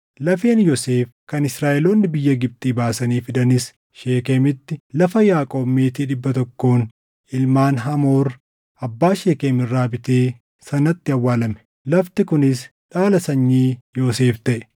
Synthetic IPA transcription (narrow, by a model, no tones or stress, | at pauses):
lɐfeːnjoseːfkɐnɪsɾaːʔɛloːnːɪbɪjːɐɡɪb̚t̪ʼiːbaːsɐniːfɪd̪ɐnɪs | ʃeːkemɪt̪ːɪlɐfɐjaːkʼo̞ːbmːeːt̪iːᶑɪbːɐt̪ɔkːoːn | ɪlmaːnɦɐmo̞ːɾ | ɐbːaːʃeːkeːmɪrːaːbɪt̪eː | sɐnɐt̪ːɪɐwːaːlɐmɛ̥ | lɐft̪ɪkʊnɪsᶑaːlɐsɐɲːiːjo̞ːse̞ːft̪ɐʔɛ̥